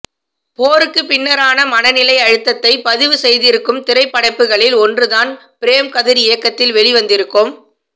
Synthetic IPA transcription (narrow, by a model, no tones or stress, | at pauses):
poːɾɯkːɯpɪnːɐɾaːnɐmɐnɐnɪlɐɪɐɻɯt̪ːɐt̪ːɐɪpɐðɪʋɯsɛjðɪɾɯkːɯmt̪ɪɾɐɪpːɐɽɐɪpːɯɣɐɭɪlɔndrɯðaːnpɪɾeːmkɐðɪɾɪjɐkːɐt̪ːɪlʋɛɭɪʋɐnd̪ɪɾɯkːɯm